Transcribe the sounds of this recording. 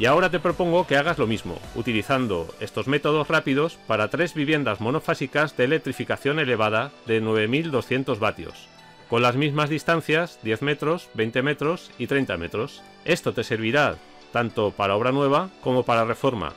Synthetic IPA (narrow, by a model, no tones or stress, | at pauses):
iao̞ɾat̪e̞pɾo̞po̞ŋɡokeaɣ̞azlo̞mizmo̞̰ṵt̪iliθand̪o̞̰e̞st̪o̞zme̞t̪o̞ð̞o̞srapiðo̞spaɾat̪ɾe̞zβiβje̞nd̪azmo̞no̞fasikazðe̞ːlek̚t̪ɾifikaθjo̞ne̞le̞βað̞aðe̞nwe̞β̞e̞mild̪o̞sθje̞nt̪o̞zβat̪jo̞̰s | ko̞nlazmizmazðist̪an̟θjazd̪je̞θme̞t̪ɾo̞zβe̞jnt̪e̞me̞t̪ɾo̞sit̪ɾe̞jnt̪ame̞t̪ɾo̞s | e̞st̪o̞t̪e̞se̞ɾβiɾa | t̪ant̪o̞paɾao̞β̞ɾanwe̞β̞ako̞mo̞paɾare̞fo̞ɾma̰